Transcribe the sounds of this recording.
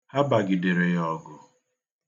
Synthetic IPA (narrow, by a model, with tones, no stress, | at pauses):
ha˦ba˨ɡɪ˨dɪ˨ɾe˨jɔ˨ɡʊ˨